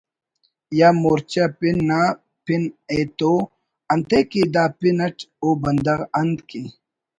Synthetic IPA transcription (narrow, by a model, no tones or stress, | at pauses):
jamoːɾt͡ɕɐpinːa | pineːt̪oː | ɐnt̪ekid̪aːpinɐʈʰoːbɐnd̪ɐʁɐnd̪ki